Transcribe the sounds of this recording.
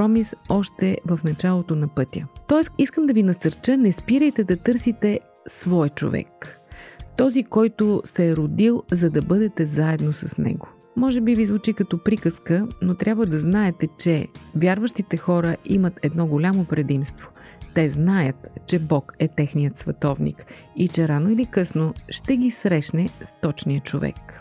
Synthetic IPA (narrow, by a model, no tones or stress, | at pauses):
ɔmisɔʃt̪ɛvəfnɐt͡ʃalˠot̪onɐpɤt̪ʲjə̰t̪ɔɛsiskəmd̪ɐvinɐsɐɾt͡ʃənɛspiɾəjt̪ɛd̪ɐt̪ɤɾsit̪ɛ | svɔjt͡ʃo̰vɛ̰k | t̪ɔzikɔjt̪ʊsɛːɾʊd̪ilˠzɐd̪ɐbɤd̪ɛt̪ɛzaɛd̪nosɐsnɛ̰ɡo | mɔʒɛbivizvʊt͡ʃikɐt̪ɔpɾikəskənot̪ɾʲjabvəd̪ɐznaɛt̪ɛt͡ʃɛvjaɾvəʃt̪it̪ɛxɔɾəʔimət̪ʰɛd̪nɔɡolʲamopɾɛd̪imst̪vot̪ɛznajət̪t͡ʃɛbɔkɛt̪ɛxnijət̪svɛt̪ɔvnḭk | it͡ʃɛɾanoʊilikɤsnoʃt̪ɛɡisɾɛʃnɛst̪ɔt͡ʃnijət͡ʃovɛ̰k